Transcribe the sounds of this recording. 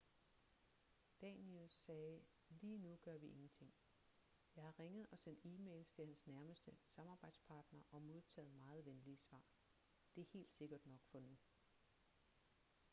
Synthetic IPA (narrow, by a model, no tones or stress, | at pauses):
d̥ɛnelsɛː | liːnuɡ̥ɶɐʋiʔe̝ŋn̩t͡sʰe̝ŋ̰ | jɑ̈ɪhɑ̈ʁeŋəð̞̩ˠɒ̽sen̰d̥iːmḛːlst͡sʰe̝hænsnæɐməsd̥əsɑ̈mɑ̈ːb̥ɑ̈ɪ̰d̥spʰɑ̈ːd̥nɐʔɒ̽mo̝ð̞ˠt͡sʰɛ̰ːð̞̩ˠmɑ̈ːð̞̩ˠʋenliəsʋɑ̰̈ː | d̥e̝æɐhe̝̰ːld̥se̝ɡ̥ɐd̥nɒ̽ɡ̥fɒ̽nu